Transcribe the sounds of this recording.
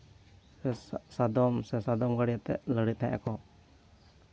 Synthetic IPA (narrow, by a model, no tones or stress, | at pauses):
sɛssad̪ɔmsɛsad̪ɔmɡaɽijat̪ɛ̰ʔləɽit̪̚nɛʔa̰kɔ